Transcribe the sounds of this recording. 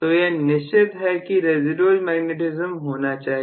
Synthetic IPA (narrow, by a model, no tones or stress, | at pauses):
t̪ojenɪɪt̪ɦɛkiɾeːzɪɖoːlmɛːɡneʈɪzəmɦoːnat͡ʃaːɦi